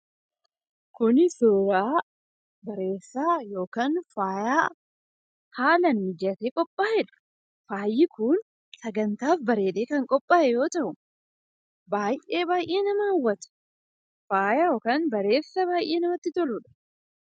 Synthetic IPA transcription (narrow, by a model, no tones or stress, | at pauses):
kʊnɪsoːɾaː | bɐɾe̞ːsːaːjo̞ːkaːnfaːjaː | haːlɐnmɪd͡ʒɐt̪eːkʼɔpʼːaːʔɛᶑɐ̥ | faːjːɪkʊːn | sɐɡɐnt̪aːfbɐɾe̞ːᶑ̪eːkɐŋkʼɔpʼːaːʔɛjo̞ːt̪ɐʔʊ | baːjʔe̞ːbaːjʔeːnɐmɐɐwːɐt̪ɐ̥ | faːjajo̞ːkaːnbɐɾe̞ːsːɐbaːjʔe̞ːnɐmɐt̪ːɪt̪ɔluᶑɐ̥